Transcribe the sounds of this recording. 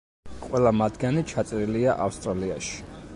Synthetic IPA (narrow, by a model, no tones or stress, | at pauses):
qʼwɛlˠamad̪ɡanit͡ʃʰat̪sʼɾiliaʔafst̪ʼɾaliaʃi̥